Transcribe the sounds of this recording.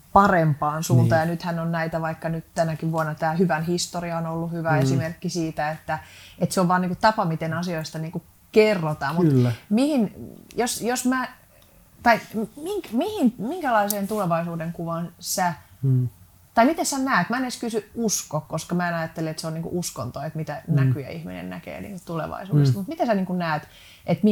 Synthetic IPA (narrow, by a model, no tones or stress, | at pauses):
pɑrempɑːnsuːnt̪ɑjɑnyt̪hænonnæit̪æʋɑikːɑnytt̪ænækiʋʋuɑnːɑt̪æːhyʋænhist̪oriɑonolːuhyʋæesimerkːisiːt̪æet̪ːæet̪seoʋʋɑːniːŋkut̪ɑpɑmit̪enɑsioist̪ɑniːŋku | kerːot̪ɑːmmut̪lmihinjosjosmæ | t̪ɑimiŋkmihinmiŋkælɑiseːnt̪uleʋɑisuːdeŋkuʋɑnsæ | t̪ɑimit̪essænæːt̪mæeneskysyuskokkoskɑmæːenɑjɑt̪ːeliet̪seoniːkṵʔusko̰nt̪oet̪mit̪ænækyjæ̰ḭhmḭnḛnnæ̰kḛːnḭːŋkut̪ulḛʋɑ̰isṵːdest̪mut̪mit̪esæniːŋkunnæːt̪ | ʔet̪mi